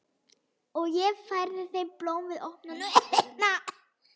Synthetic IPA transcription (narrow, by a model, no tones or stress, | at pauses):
ɔɣjɛfajɾðɪθejmploːwmvɪðɔhpnanʏna